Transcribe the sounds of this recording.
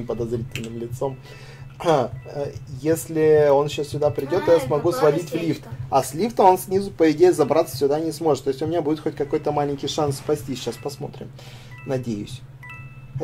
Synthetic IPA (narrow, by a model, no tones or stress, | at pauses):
mpəd̪ɐzɾʲitʲɪlʲnɨmlʲɪt̪so̞m | jesʲlʲɪo̞nɕossʲʊd̪apɾʲɪdʲot̪ːojasmɐɡusvɐlʲitʲvlʲift̪ɐsʲlʲift̪əo̞nsʲnʲizʊpəɪdʲejɪzɐbɾat̪sə̥sʲʊd̪anʲɪsmo̞ʐɨt̪ːo̞ɪsʲʊmʲɪnʲabudʲɪt̪xotʲkɐko̞jt̪əmalʲɪnʲkʲɪjʂansːpɐsʲtʲisʲɕaspɐsmo̞̰t̪ɾʲɪ̰m | nɐdʲejʊ̰sʲ